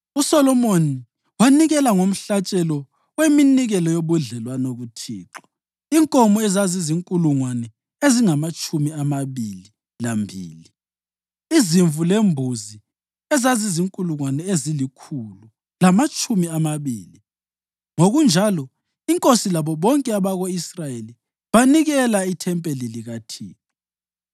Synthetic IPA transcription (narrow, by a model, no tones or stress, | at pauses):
usɔlɔmoni | waniɣɛlaŋom̩ɬat͡ʃʼɛlɔ | weminiɣɛlɔjoβuɮɛlwanoɣutʰḭːǁɔ̥ | iŋkʼɔmɔɛzaziziŋkʼuluŋwanɛ | eziŋamat͡ʃʼumiamaβili | lambʱḭːli | iziɱvulembʱuzi | ɛzaziziŋkʼuluŋwanɛezilikʰulu | lamat͡ʃʼumiamaβiːli | ŋoɣund͡ʒʱalɔ | iŋkʼosilaβɔβɔŋkʼɛaβaɣoisrajeli | βaniɣɛlaitʰɛmpʼeliliɣatʰḭːǁa